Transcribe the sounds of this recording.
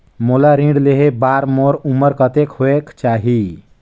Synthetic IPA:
molaɾĩɖleɦebaːɾmoɾuməɾkət̪ekɦoekt͡ʃaːɦi

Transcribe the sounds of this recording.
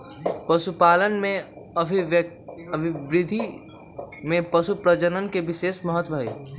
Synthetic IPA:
pɐʃupaːlənmẽ | ɐbʱɪʋɾɪd̪ʱi | mẽpɐʃupɾəd͡ʒənənkeʋɪʃeːʃməɦət̪waḭ

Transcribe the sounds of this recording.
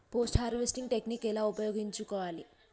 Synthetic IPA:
poːsʈhaːɾiʋesʈiŋɡʈeknikɛlaːupɐjoːɡiɲt͡ʃukɔːʋaːli

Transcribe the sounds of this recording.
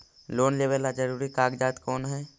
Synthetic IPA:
loːnleːʋəlad͡ʒəɾuːɾikaːɡd͡ʒaːt̪kɔːnɦɛː

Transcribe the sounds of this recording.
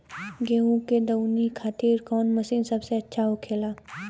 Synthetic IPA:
ɡeːɦũked̪ɐwnikʰaːt̪iːɾkɔːnmɐsinsɐbseɐtːʃʰaokʰeːlaː

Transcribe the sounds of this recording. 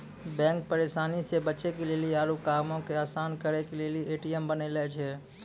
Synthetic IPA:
bɛ̃ːŋk̚pəɾeːʃaːnisebətːʃekeleːlieaːɾukaːmõkeaːsaːnkəɾekelelieːʈijəmbənelɛːt͡ʃʰɛː

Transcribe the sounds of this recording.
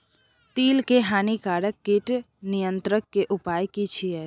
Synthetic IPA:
t̪iːlkeɦaːnikaɽəkːiʈ | nijənt̪ɾəkːeʔupaːjkit͡ʃʰiɛ

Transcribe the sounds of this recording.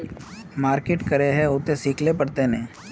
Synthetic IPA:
maːɾkeʈkɐɾeɦɛʊt̪esiːkʰlepɐɽt̪enẽː

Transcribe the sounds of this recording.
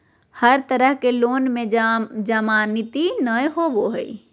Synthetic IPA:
həɾt̪əɾəɦkeloːnmẽd͡ʒəmaːnɪt̪inəjɦoboɦəḭ

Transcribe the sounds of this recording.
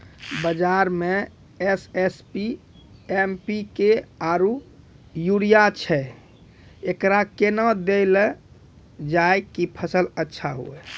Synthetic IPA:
bəd͡ʒaɾme | esespi | empikeaɾu | juɽijat͡ʃʰɛ | ekɾakenɔd̪el | d͡ʒaekipʰəsələtːʃʰaɦṵe

